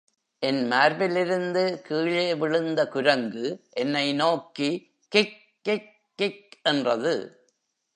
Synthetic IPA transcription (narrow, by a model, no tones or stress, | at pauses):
ʔɛnmaːɾbɪlɪɾɯnd̪ɯkiːɭeːʋɪɻɯnd̪ɐkʊɾɐŋɡɯʔɛnːɐɪnoːki | kɪk̚ː | ɪkː | ɪk̚ʔɛndrɐðɯ̰